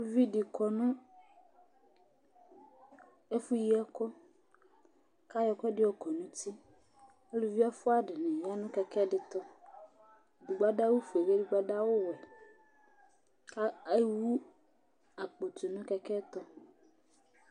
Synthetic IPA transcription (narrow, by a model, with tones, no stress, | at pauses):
lu˦vi˦dɪ˨kɔ˨nʊ̃˦ | e˦fu˦ji˦ɛ˦kɔ˦ | ka˦jɔ˨kɔ˦dɪ˦ɔ˨kɔ˨nũ˦t̪i˦ | e˦lu˨vi˦a˦fʊ˦a˨ɖɪ˨nɛ̃˨ja˦nʊ̃˦kɛ˨kɛ˦ɖɪ˨t̪ɔ˦ | du˨ɡ͡ba˦da˦wu˦fu˨e˨be˦du˨ɡ͡ba˦da˦wʊ˦wɛ˨ | ka˦wu˦ | a˨k͡po˨t̪u˨nʊ̃˦kɛ˨kɛ˦t̪ɔ˦